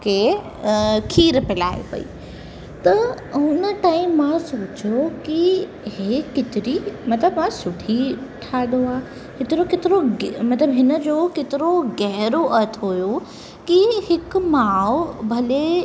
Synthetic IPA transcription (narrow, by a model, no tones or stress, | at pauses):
ke | kʰiːɾpɪlaːḛpɐ̰ḭː | t̪ɐ | ɦʊnəʈaːɪmːãsoːt͡ɕjoki | ɦekɪt̪ɪɾimɐt̪ləbmãsʊʈʰiʈʰaːd̪oaː | hɪt̪ɪɾokɪt̪ɪɾomɐt̪ləbɦɪnə̆d͡ʑoːkɪt̪ɪɾoɡɛɦɾoʔɐt̪ʰɦojo | kihɪk̆maːbʱɐle